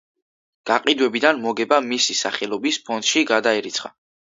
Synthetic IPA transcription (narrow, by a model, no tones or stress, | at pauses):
ɡ̥aqʼid̪wɛbid̪anmɔɡɛbamisisa̰χɛlˠɔbispʰɔnd̪̥ʃiɡad̪aiɾit̪sʰχa̰